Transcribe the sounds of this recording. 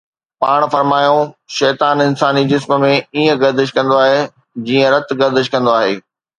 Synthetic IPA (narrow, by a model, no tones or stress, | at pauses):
pa̰ːɽ̃fɐɾmaːjõʃɛːt̪aːnɪnsaːnid͡ʑɪsmə̆mẽiːə̃ɡɐɾd̪ɪʃ̬kɐ̃nd̪oaːɦe | d͡ʑiːə̃ɾɐt̪ɡɐɾd̪ɪʃkɐ̃nd̪oaːɦeː